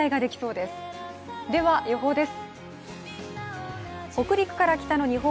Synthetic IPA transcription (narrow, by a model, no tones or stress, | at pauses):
aiɡad̪e̞kʲi̥so̞ːd̪e̞sɨ̥ | d̪e̞βajo̞ɦo̞ːd̪e̞sɨ̥ | ko̞kɯ̟ɾʲikɯ̥kaɾakʲi̥t̪ano̞ɲ̟iɦo